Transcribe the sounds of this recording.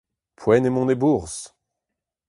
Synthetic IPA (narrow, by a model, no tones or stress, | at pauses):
pʰwɛnemɔ̃nebuʁs